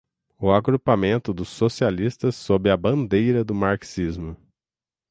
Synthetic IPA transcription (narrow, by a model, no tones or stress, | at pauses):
ʊaɡɾupamẽnt̪ʊd̪ʊsːosialist̪ɐsːobɪɐbɐ̃nd̪ejɾɐd̪ʊmaɾksizmʊ